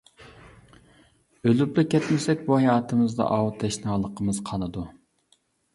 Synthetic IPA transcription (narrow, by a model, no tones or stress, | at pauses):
ølyplˠɪkʲʰːɛt̪mɪsɛkʲbuhɛjɑːt̪ʰɨmɨzd̪ɑ̰ʔɑwt̪ʰɛʃnɑlˠəqʰəmɨz̥qʰɑnɨd̪u